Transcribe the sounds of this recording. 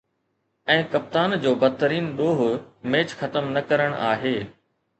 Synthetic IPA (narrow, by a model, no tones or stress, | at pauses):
ɛ̃ːkɐp̚t̪aːnd͡ʑoːbɐd̪̚t̪ːəɾiːnɗoːɦʊmẽːt͡ɕxɐt̪əmnɐkɐɾəɽ̃ʔaːɦeː